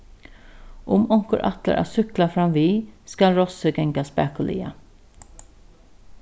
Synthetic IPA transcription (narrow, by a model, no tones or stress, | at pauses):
ʔʊmɔŋkəɾʔa̰t̪lə̰ɾʔa̰sʏklafɾamʋiːskalɾɔsəɡɛŋkaspæ̰ːkʊlʔḭːa̰